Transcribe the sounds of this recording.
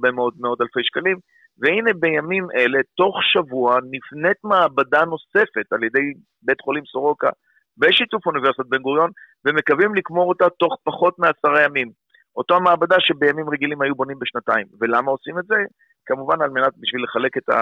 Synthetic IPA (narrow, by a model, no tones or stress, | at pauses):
be̞meo̞d̚meo̞d̪alfe̞jʃkalim | veine̞be̞jamimʔe̞le̞to̞χʃavuanifne̞tmaːbadano̞se̞fe̞talje̞de̞j | be̞tχo̞limsoʁo̞ka̰ | be̞ʃitufuniveʁsiat̚be̞nɡuʁjo̞nve̞me̞kavimlikmo̞ʁotato̞χpaχo̞tmeasaʁajamim | ʔo̞toamaːbadaʃe̞be̞jamimʁe̞ɡilimhajubonimbeʃnataimve̞lamao̞simetze | kamuvanalme̞nat̚biʃvile̞χale̞ke̞ta̰